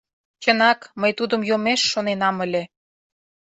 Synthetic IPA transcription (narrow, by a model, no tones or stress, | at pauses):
t͡ɕənɑkməjt̪ud̪ə̆mjomeʃːonenɑmə̆lʲĕ